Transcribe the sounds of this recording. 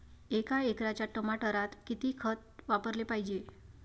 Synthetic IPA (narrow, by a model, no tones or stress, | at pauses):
ekaekɾat͡ɕjaʈəmaʈəɾat̪kit̪iːkʰət̪ʋapəɾlepajd͡ʑe